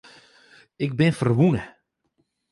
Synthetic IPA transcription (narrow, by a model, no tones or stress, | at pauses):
ɪk̚bɪnfərʋunə